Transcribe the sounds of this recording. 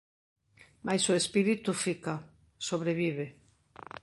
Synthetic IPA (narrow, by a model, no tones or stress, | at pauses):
majsoespiɾit̪ufika | soβɾeβiβ̞e